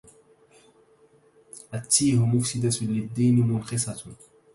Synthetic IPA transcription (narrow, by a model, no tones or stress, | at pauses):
ʔat̪ːiːhʊmʊfsɪd̪at̪lɪd̪ːiːnmʊnqɪsˤɑt̪